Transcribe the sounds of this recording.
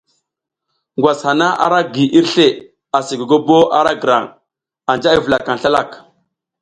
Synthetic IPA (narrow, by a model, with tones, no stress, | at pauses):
ŋɡwa˨sha˨na˦ʔa̰˨ɾa˦ɡi˨ʔi˦ɾɬe˦˨ | a˨si˨ɡo˨ɡo˦bo˦a˦ɾa˦ɡə˨ɾa̰˨ŋ | a˨nd͡ʒa˦i˦və˨la˨ka˨n˨ɬa˦la˦˨k